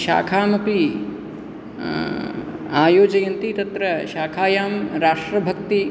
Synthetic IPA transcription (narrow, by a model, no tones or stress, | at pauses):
ʃa̰ːkʰaːmɐpi | aːjoːd͡ʒɐjɐnt̪it̪ɐt̪ɾɐʃaːkʰaːjaːmɾaːʂʈɾɐbʱɐkt̪i